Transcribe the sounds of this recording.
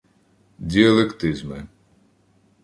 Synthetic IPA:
d̪ʲiɐlˠekt̪ɪzmɪ

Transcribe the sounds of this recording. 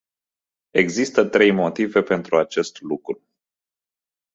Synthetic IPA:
e̞ɡzist̪ət̪ɾe̞jmo̞t̪ive̞pe̞nt̪ɾuat͡ʃe̞st̪lukɾu

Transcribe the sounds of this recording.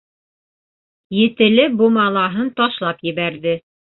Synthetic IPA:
jɘ̆t̪ɘ̆lɘbumɑlˠɑɦɤnt̪ɑʃlˠɑpjɘ̆βæɾðɘ

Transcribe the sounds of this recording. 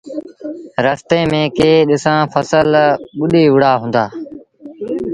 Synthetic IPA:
ɾəst̪eːmẽːkeːɗɪsãːfʰəsəlɓʊɗiːʋʊɽaːɦʊũːnd̪aː

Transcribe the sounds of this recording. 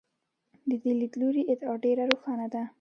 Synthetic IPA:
d̪əd̪ɪlid̪luɾiʔɪt̪ɑɖeɾaɾoxɑnad̪a

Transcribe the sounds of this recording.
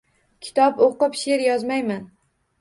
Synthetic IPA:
kʲʰɪ̥t̪ʰɒpoqɨpʃeɾjɒzmajman

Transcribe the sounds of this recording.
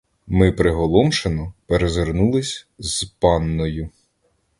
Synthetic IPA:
mɪpɾɪɦɔlˠɔmʃenɔpeɾezernulˠɪsʲz̥pɑnːɔjʊ

